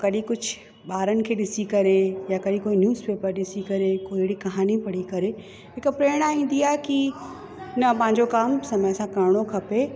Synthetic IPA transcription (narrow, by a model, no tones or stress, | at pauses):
kɐɗĩkʊd͡ʑʱʊ | ɓaːɾənɪ̆kʰeːɗɪsikɐɾejakɐɗĩkoːinjuːzpeːpəɾɗɪsikɐɾekoːɦɪɽikɐɦaːnipɐɽikɐɾe | ɦɪkpɾeːɽ̃aːɦĩːn̆d̪iaːɦeki | nɐpɐ̃ɦɪ̃ɲd͡ʑokaːmsɐməsãkɐɾɽ̃okʰɐpe